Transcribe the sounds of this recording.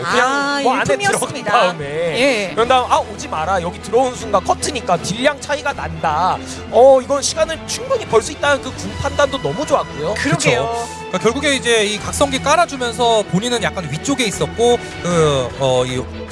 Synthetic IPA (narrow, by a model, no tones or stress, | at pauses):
aɯɲaŋanemɾʌiddaɯmejekʌndaɯmaod͡ʑimaɾajʌɡitɯɾʌuns̬ʰuŋɡakʰʌtʰɯɲik͈atiʎːjaŋt͡ɕʰaiɡananda | ʌiɡʌnɕʰiɡanɯɭt͡ɕʰuŋbɯɲipʌɭs͈uit̚t͈anɯnkɯkunpʰandandonʌmud͡ʑoaɡojoɯɾt͡ɕʰjo | k͈akjʌɭɡuɡe̞id͡ʑe̞ikak̚s͈ʌŋɡik͈aɾad͡ʑumjʌns̬ʰʌpoɲinɯnjak͈̚anɥit͡ɕ͈oɡe̞is͈ʌt̚k͈o | kɯʌi